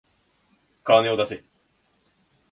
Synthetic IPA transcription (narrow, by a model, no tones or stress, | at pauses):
kaːneod̪ase